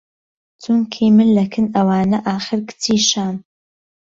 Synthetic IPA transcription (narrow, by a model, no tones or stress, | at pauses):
t͡sʰuŋkʰimɨnlɐkʰɨnɐwaːnɐʔaːχɨɾɡɨt͡sʰiːʃaːm